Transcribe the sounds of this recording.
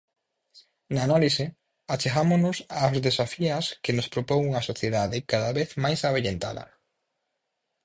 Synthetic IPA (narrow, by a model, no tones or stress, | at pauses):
naːnalisɪ | at͡ʃeɣamoznʊsaːzðesafiɐskɪnʊspɾopoŋuŋasoθjeðaðɪkaðaβeθmajsaβeʎent̪a̰ðɐ̰